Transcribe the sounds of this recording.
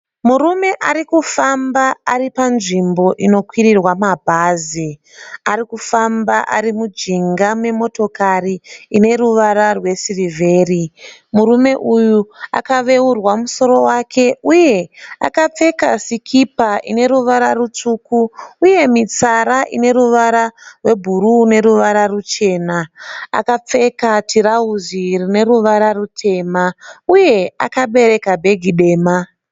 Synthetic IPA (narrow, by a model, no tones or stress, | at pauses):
murume̞ʔaɾikufambaːripanʐimbo̞ʔino̞kwirirwamabʱaːzi | aɾikufambaʔa̰ɾimud͡ʒiŋɡamwe̞mo̞to̞kariːne̞ruʋaɾarwe̞sirivʱe̞ːrimuɾume̞ʔujua̰kaʋe̞urwamuso̞ɾo̞wakʰe̞uje̞a̰kap͡fe̞kasikʰipaʔine̞ɾuʋaɾarut͡ʂuːkuːje̞mit͡saɾaʔine̞ɾuʋaɾarwe̞bʱuɾuːne̞ɾuʋaɾarut͡ʃe̞ːnaa̰kap͡fe̞katiɾauzirine̞ɾuʋaɾarutʰe̞ːmauje̞a̰kaɓe̞ɾe̞kabʱe̞ɡʱiɗe̞ːma